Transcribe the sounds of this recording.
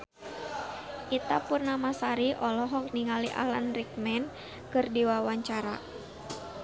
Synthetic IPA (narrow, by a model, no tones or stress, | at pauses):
ʔit̪apurnamasaɾiʔɔlɔɦɔk̚niŋaliʔa̰lanrik̚mɛn | kɨrdiwawaɲt͡ʃaɾa